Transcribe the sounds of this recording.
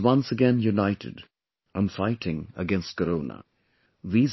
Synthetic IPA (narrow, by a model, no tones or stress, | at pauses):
wʌ̃nsəɡɛ̃njunaɪʈʰɪ̰d | ãɪ̃ɱfaɪʈʰɪ̃ŋə̰ɡɛ̃nst̚kəɾoʊnə̰ | ðiːz